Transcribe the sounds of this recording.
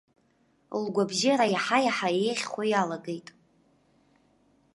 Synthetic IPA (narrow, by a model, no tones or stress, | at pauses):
lɡʷabʒiɾajaħajaħaejχʲχʷajalaɡejtʼ